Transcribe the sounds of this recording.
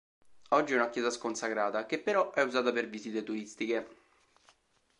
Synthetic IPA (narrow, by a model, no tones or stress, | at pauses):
ɔd͡ʒːiɛunakjɛːzaskonsakɾaːt̪ak̟epːeɾɔɛuzaːt̪aperviziːt̪et̪uɾist̪ike